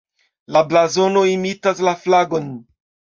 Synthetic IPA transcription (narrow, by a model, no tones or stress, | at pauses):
lablazo̞no̞imitaslaflaɡo̞n